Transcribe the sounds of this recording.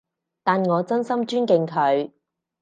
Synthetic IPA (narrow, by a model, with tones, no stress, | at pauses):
t̪aː˨nŋɔː˨˧t͡sɐ˥nsɐ˥mt͡ʃyː˥nkɪ˨ŋkʰɵ˨˧ɥ